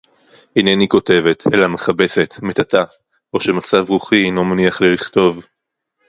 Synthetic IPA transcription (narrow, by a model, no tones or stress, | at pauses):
hineniko̞te̞ve̞tʰe̞̰lameχabe̞se̞t̪metata | o̞ʃe̞mat͡savʁuχino̞maniaχliliχto̞v